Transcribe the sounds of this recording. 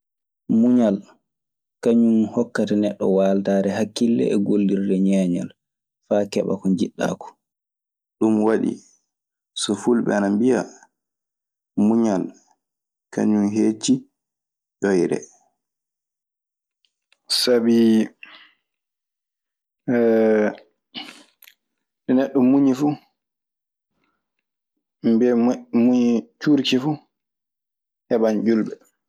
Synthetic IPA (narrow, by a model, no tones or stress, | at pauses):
muɲal | kaɲunhɔkːatɛnɛɗːɔ̰waːltaːɾɛɦakːilːɛ̰ɛɡolːiɾdɛɲɛːɲa̰l | faːkɛɓa̰kɔnd͡ʒiɗːa̰ːkɔ̥ | ɗumwaɗḭ | sɔfulɓɛ̰anambija | ɗmuɲal | ka̰ɲumɦeːt͡ʃi | ɗɔjɾɛ̰ | sabi | ɗɛnɛɗːɔmuɲifu | mbɛmuɲit͡ʃuɾkifu | ʔɛbaɲd͡ʒulbɛ